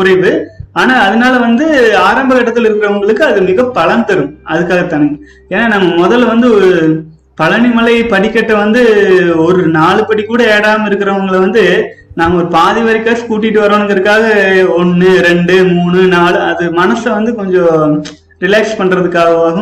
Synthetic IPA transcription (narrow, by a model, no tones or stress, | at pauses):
kʊɾɐɪʋɯaːnaːɐðɐnaːlɐʋɐnd̪ɯaːɾɐmbɐkːɐʈːɐt̪ːɪlɪɾɯkːɪɾɐʋɐŋɡɐɭɯkːɯɐðɯmɪɣɐpɐɭɐnd̪ɐɾɯmɐðɯkːaːɣɐt̪ɐnɯŋɡɐ | eːnːaːnɐmːɐmɔðɐlʋɐnd̪ɯɔɾɯ | pɐlɐɳɪmɐlɐɪpɐɽɪkːɐʈːɐʋɐnd̪ɯɔɾɯnaːɭɯpɐɽikːuːɽɐeːɽaːmɪɾɯkːɪɾɐʋɐŋɡɐɭʋɐnd̪ɯ | naːmɐɔɾɯpaːðɪʋɐɾɪkːaːskuːʈ̬ːɪʈːɯʋɐɾɐnɐŋɡɐɾɯkːaːɣɐɔnːɯɾɛɳɖɯmuːɳɯnaːɭɯɐðɯmɐnɐslʋɐnd̪ɯkɔɲd͡ʒõ | ɾɪlaːkspɐɳːɾɐðɯkːaːɣɐʋaːɣɐ